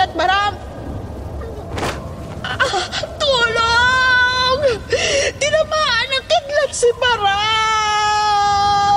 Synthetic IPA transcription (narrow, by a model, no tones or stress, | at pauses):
ɐt̪̚mɐɾam | t̪uːlo | ŋ | d̪ɪnɐmaːʔɐnɐkɪd̪lɐt̪̚sɪbɐɾa